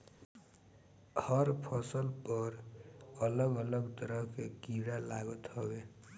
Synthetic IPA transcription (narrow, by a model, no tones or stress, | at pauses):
hʌɾpʰəsəlpəɾələɡələɡt̪əɾəɦkekiɾalaɡət̪ɦʌbe